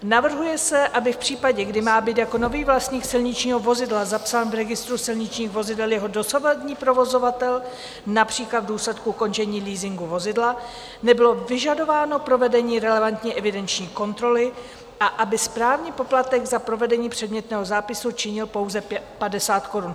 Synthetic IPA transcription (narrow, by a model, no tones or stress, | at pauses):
navr̩ɦujɛsɛʔabɪfpr̝̥iːpaɟɛɡdɪmaːbiːt̪jako̞no̞viːvlast̪ɲiːksɪlɲɪt͡ʃɲiːɦo̞vo̞zɪdlazapsaːnvɾɛɡɪst̪ɾusɪlɲɪt͡ʃɲiːxvo̞zɪdɛljɛɦo̞do̞savad̪ɲiːpɾo̞vo̞zo̞vat̪ɛl | napr̥iːklad̪vduːslɛt̪kuʔuko̞nt͡ʃɛɲiːliːzɪŋɡuvo̞zɪdla | nɛbɪlo̞vɪʒado̞vaːno̞pɾo̞vɛdɛɲiːɾɛlɛvant̪ɲiːʔɛvɪdɛnt͡ʃɲiːko̞nt̪ɾo̞lɪ | ʔaʔabɪspɾaːvɲiːpo̞plat̪ɛɡzapɾo̞vɛdɛɲiːpr̝̥ɛdmɲɛt̪nɛːɦo̞zaːpɪsut͡ʃɪɲɪlpo̞wzɛpadɛsaːt̪ko̞ɾun